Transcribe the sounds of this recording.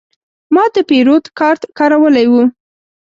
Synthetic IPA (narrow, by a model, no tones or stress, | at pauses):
mɑd̪əpeɾot̪kɑɾt̪kɑɾawəlajwu